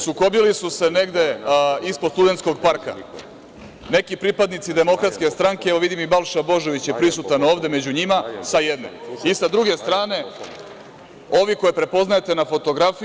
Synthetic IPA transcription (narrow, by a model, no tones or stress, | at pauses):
suko̞bilisuse̞ne̞ɡd̪e̞ispod̪st̪ud̪e̞nt̪sko̞ɡpaɾka̰ | ne̞kipɾipad̪nit̪sid̪e̞mo̞kɾat̪ske̞st̪ɾaŋkeeʋoʋid̪imibalˠʃabo̞ʒo̞ʋit͡ɕjepɾisut̪ano̞ːʋd̪e̞me̞d͡ʑuɲimasajed̪ne̞̰isad̪ɾuɡe̞st̪ɾaːne̞ | o̞ʋiko̞jepɾe̞po̞znajet̪e̞nafo̞t̪o̞ɡɾafi